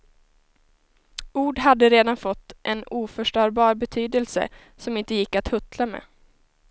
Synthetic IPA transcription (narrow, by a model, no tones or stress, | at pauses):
uːɖɦad̪ːəɾeːd̪anfɔt̪ːʔɛnuːfœʂʈœːɾbɑːɾbɛt̪ʰyːd̪əlsə̰ | sɔmɪnt̪əjɪkːat̪hɵt̪ʰlamḛː